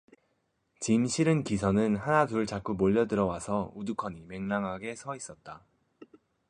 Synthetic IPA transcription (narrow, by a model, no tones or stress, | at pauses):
t͡ɕimɕʰiɾɯnkisʰʌnɯnhanatuɾɯɭt͡ɕak͈umoʎːʌdɯɾʌwasʰʌudukʰʌɲime̞ŋnaŋɦaɡe̞sʰʌis͈ʌt̚t͈a